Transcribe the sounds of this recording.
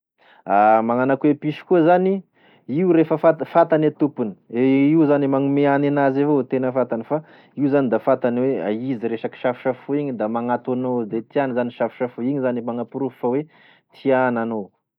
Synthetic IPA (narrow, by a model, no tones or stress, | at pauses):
amaŋanakuwepiʃi̥kuzani | iuɾefəfafat̪anat̪upuni̥eiuzanimaŋumeaninazevot̪enəfat̪anifa | iuzanid̪afat̪anwea̰iziɾeʃaki̥ʃafi̥ʃafuiɲid̪amaŋat̪anod̪et̪ianzaniʃafi̥ʃafuiɲizanimaŋapuɾufawe | t̪ʰianano